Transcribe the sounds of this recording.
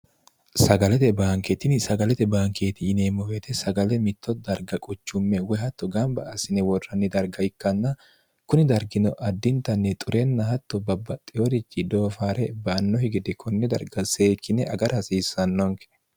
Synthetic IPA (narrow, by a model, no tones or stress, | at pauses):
sɐɡɐlɛt̪ɛbaːŋkɛt̪ɪnɪsɐɡɐlɛt̪ɛbaːŋke̞ːt̪ɪːneːmɔwɛt̪ɛsɐɡɐlɛmɪt̪ʰːɔd̪ɐɾɡɐkʼʊt͡ʃːʊmːɛwɛhɐt̪ːɔɡɐmbɐ̰ːsɪnɛwɔrːɐnːɪd̪ɐɾɡɐɪkːɐnːɐ | kʊnɪd̪ɐɾɡɪnɔʔɐd̪ːɪnt̪ɐnːɛt̪ʼʊɾɛnːɐhɐt̪ːɔbɐbːɐt̪ʼɪɔd̪ɪt͡ʃːɪd̪oːfaːɾɛbɐːnːɔhɪɡɪd̪ɛkʰɔnːɛd̪ɐ̰ɾɡɐse̞ːkːɪnɛʔɐɡɐɾɐhɐsiːsːɐnːɔŋkɛ̥